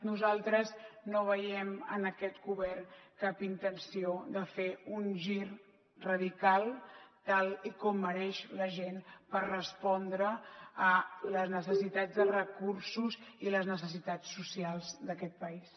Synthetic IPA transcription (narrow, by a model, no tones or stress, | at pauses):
nuzalˠt̪ɾəznoβ̞əjɛmə̰nəkɛt̪ɡuβɛrnkapint̪ənsioðəfeunʒir | rəðikalˠt̪alikɔmːəɾɛʃləʒenpərrəspɔnd̪ɾəː | ləznəsəsit̪azd̪ərəkuɾsuziləznəsəs̬it̪at͡sːusialˠzd̪əkɛt̪̚pəis